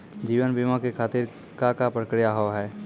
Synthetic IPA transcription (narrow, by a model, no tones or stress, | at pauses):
d͡ʒiːʋənbimãkekʰaːt̪ɪɾ | kakapɾəkɾijaɦoɦɛː